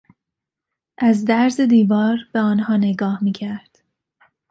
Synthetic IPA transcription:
ʔæzd̪æɾze̞d̪iːvɒːɾb̥eɒːnhɒːne̞ɡɒːhmiːcʰæɾd̪̥

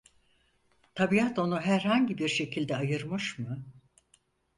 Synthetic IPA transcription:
t̪ʰabiat̪o̞nuɦæɾhaɲɟibiɾʃe̞cʰilʲd̪ɛajɯɾmɯʃmɯ

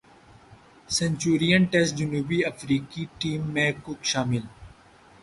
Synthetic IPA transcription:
sẽnt͡ʃuːɾijə̃ɳʈɛːzd͡ʒʊnuːbiɐfɾiːkiʈiːmːẽkʊkʃaːmɪl

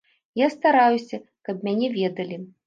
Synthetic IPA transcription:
jast̪aɾajusʲɐkɐb̚mʲanʲɛvʲɛd̪ɐlʲi

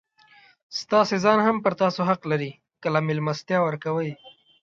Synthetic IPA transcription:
st̪ɑsezɑnhampəɾt̪ɑsoɦaqlaɾi | kəlamɪlmast̪jɑwəɾkawəj

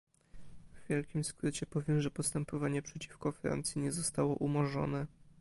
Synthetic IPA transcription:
vvʲjɛlkʲimskɾɘt͡ɕɛpɔvʲjɛmʐɛpɔst̪ɛmpɔvaɲɛpʂɛt͡ɕi̥fkɔfɾa̰nt̪sʲjiɲɛzɔst̪awɔ̰ʔumɔʐɔ̰nɛ

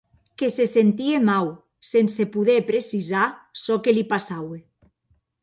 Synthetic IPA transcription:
kesesent̪iemaw | sensepuðepɾesizasɔkelipasawe

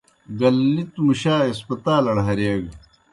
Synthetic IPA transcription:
ɡɐlːit̪muɕaːespɐt̪aːlɐɽɦɐɾeːɡ

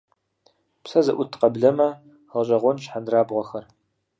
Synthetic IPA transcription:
psɐzɐʔʷʊtʰqɐbɮɐmɐ | ʁɐɕʼɐʁʷɔnɕħandraːbʁʷɔxɐr

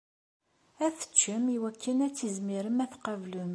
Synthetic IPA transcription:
æθə̥t͡ʃːəmiwækːənæt͡sːizmiɾəmæθqɑvlum

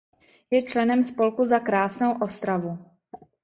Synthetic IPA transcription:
jɛt͡ʃlɛnɛmspo̞lkuzakɾaːsnowʔost̪ɾavu

